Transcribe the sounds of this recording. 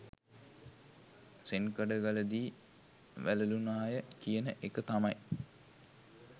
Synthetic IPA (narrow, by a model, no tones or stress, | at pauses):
senkəɖəɡaləd̪iː | ʋæləlunaːjəkijənəʔekət̪amaj